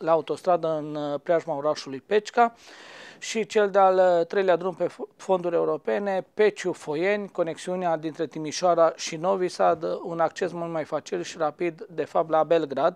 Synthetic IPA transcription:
laːut̪o̞st̪ɾad̪əɨnpɾeaʒmaoɾaʃulujpe̞t͡ʃka | ʃit͡ʃe̞ld̪ealt̪ɾe̞jlead̪ɾumpe̞fo̞nd̪uɾʲe̞uɾo̞pe̞ne̞pe̞t͡ʃufo̞je̞nʲko̞ne̞ksiunead̪int̪ɾe̞t̪imiʃoaɾaʃino̞visad̪unak̚t͡ʃe̞smult̪majfat͡ʃilʃiɾapid̪ːe̞fap̚t̪labe̞lɡɾad̪

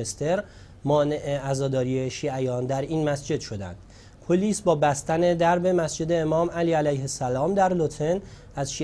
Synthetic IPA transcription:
est̪e̞ɾ | mɒːne̞ʔeæzɒːd̪ɒːɾiːeʃiːʔæjɒːnd̪æɾiːnmæsd͡ʒe̞d̪ʃo̞d̪æ̰nd̪̥ | pʰoliːsbɒːbæst̪æne̞d̪æɾbe̞mæsd͡ʒe̞d̪eːmɒːmæliːælæjhesælɒːmd̪æɾlot̪ʰen | æzʃiː

